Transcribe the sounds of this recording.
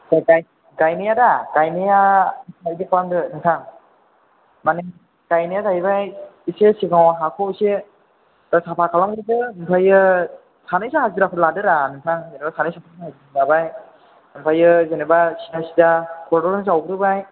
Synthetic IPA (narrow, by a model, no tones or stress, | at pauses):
aɡaj | ɡajnejadaɡajnejatʰaidɯkʰalamdɯnɯŋtʰaŋ | manɯ | ɡ̥ajnejatʰaibajisesiɡawaɦakʰɔse | asapʰakʰalamɡɯdɯɯmpʰajɯ | sanɯjsahaziɾapʰɯɾladɯɾanɯŋtʰaŋzenebasanɯjsapʰɯahazilabaj | ɯmpʰajɯzenebasijasidakʰɔɾdɔɾnɯzawɡɯɾɯbaj